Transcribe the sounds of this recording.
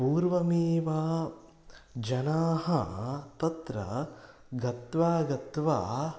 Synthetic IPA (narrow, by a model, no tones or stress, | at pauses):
puːɾʋɐmiːʋaː | d͡ʒɐnaːɦɐt̪ɐt̪ɾɐ̰ | ɡɐt̪ʋaːɡɐt̪ʋaː